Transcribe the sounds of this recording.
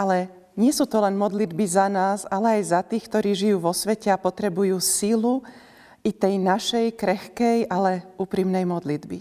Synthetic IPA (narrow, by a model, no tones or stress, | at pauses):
ʔalɛ | ɲɪɛsuːt̪ɔlɛnmɔd̪lid̪bizanaːzalɛajzat̪iːxkt̪ɔɾiːʒijuːʋɔsʋɛcɛapɔt̪ɾɛbujuːsilu | it̪ɛjnaʃɛjkɾɛxkɛjʔalɛuːpɾiːmnɛjmɔd̪lid̪bḭ